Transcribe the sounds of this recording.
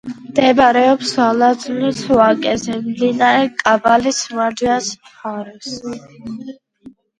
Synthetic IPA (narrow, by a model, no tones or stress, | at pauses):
md̪ɛbɾɛɔpsalad̪zulisʰɔakʼɛzɛmd̪inaɾɛkʼavalismad͡ʒ̪ias | χaɾɛs